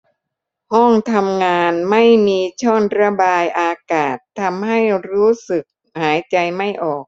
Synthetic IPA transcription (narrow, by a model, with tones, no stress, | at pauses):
hɔ˥˩ŋt̪ʰa˧mŋaː˧nma˥˩jmiː˧t͡ɕʰɔː˥˩nɾa˧baː˧jʔaː˧kaː˨˩t̪ʰːa˧mha˥˩jɾuː˦˥sɯ˨˩k̚ | haː˩˦jt͡ɕa˧jma˥˩jʔɔː˨˩k̚